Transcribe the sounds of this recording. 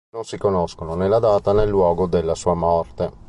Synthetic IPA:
nonsikonoskononelːad̪aːt̪anelːwɔːɡod̪elːasuːamɔrt̪e

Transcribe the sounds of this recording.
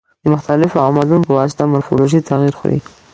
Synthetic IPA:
d̪əmʊxt̪alɪfoamɑd̪unpəwɑsɪ̥t̪amaɾfo̰loʒit̪aɣiɾxṵɾḭ

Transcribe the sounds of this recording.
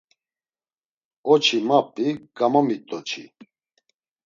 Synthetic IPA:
ɔt͡ʃʰimap̚t̪ʼiɡ̥amɔmit̪ʼɔt͡ʃʰḭ

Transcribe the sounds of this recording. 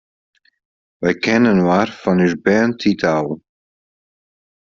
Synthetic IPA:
ʋɛjkɛnənʋaːrfɑnysbɛːntʰitʰaːlˠ

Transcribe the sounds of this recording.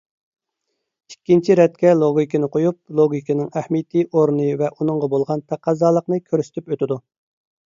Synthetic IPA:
ikʲːint͡ʃʰiɾɛt̪̚kʲɛlˠoɡʲikʲinɨqʰojup̚lˠoɡʲikʲʰinɨŋæhmit̪ʰiʔoɾnɨvɛʔunɨŋʁɑbolˠʁɑnt̪ʰɑqʰːɑzɑːlˠəqnɨkʲʰøɾysɪ̥t̪ʰypøt̪ɪd̪u

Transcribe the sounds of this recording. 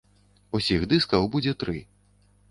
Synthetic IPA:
usʲixd̪ɨskɐwbud͡zʲɛt̪ɾɨ

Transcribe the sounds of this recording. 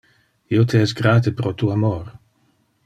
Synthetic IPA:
iot̪ʰeɛsɡɾaːt̪epɾot̪uamoɾ

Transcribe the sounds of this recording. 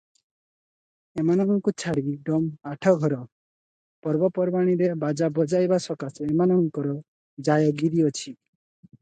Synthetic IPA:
emanɔŋɔŋkut͡ʃʰaɽiɖɔmaʈʰɔɡʱɔɾɔ | pɔɾbɔpɔɾbaɽ̃iɾebad͡ʒabɔd͡ʒajbasɔkasɔemanɔŋkɔɾɔ | d͡ʒajɔɡiɾiɔt͡ʃʰi

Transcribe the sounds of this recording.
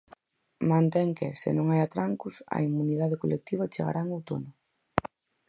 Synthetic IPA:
mãnt̪ɛŋkɪsɪ̰nõŋajat̪ɾaŋkʊsɐ̰imuniðaðɪkolʔek̚t̪iβ̞ɐt͡ʃeɣa̰ɾaŋawt̪onʊ

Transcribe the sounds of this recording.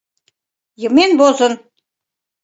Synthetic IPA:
jɤ̆menbozɤ̆n

